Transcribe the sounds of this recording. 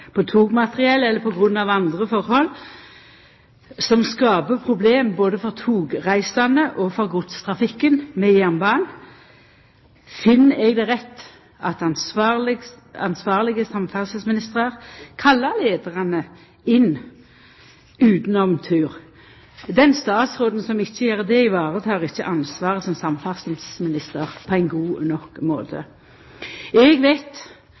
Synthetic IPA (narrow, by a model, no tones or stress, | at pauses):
pʰɔt̪ʰuːɡmɑt̪ʁɪɛlːɛlːəpʰɔɡʁʉnːɑʋɑnd̪ʁəfɔʁhɔlː | sɔmskɑːbəpʰʁʊbleːmboːd̪əfɔʁt̪ʰuːɡʁæɪsɑnəʔɔfɔʁɡʊt̪st̪ʰʁɑfɪkːənmɛjæʁnbɑːn | fɪnːɛɡd̪ɛʁɛt̪ː | ɑt̪ɑnl | ɑnsʋɑːʁlɪɡəsɑmfæʁsəsmɪnɪst̪ʁəʁkʰɑlːəʁleːd̪əʁɑnə | ɪn | ʉːt̪n̩ɔmt̪ʰʉːʁ | d̪ɛnst̪ɑːt̪sʁoːd̪n̩sɔmɪçːəjæːʁd̪ɛɪʋɑːʁət̪ʰɑːʁɪçːəʔɑnsʋɑːʁəsɔmsɑmfɑsn̩smɪnɪst̪əʁpʰɔæɪnɡuːnɔkmoːt̪ʰə̰ | ɛɡʋæɪt̪